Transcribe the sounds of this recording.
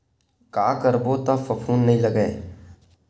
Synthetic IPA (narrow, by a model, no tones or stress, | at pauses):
kaːkəɾbot̪afəpʰuːnːɐɦĩləɡə